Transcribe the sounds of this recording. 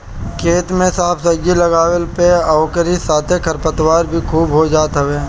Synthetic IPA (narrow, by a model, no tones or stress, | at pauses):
kʰeːt̪mẽsaːpʰsəd͡ʒilɐɡaːwəlpeaːkəɾisaːt̪ʰekʰɐɾpət̪waːɾbʱikʰuːbɦod͡ʒaːt̪ɦəʋeː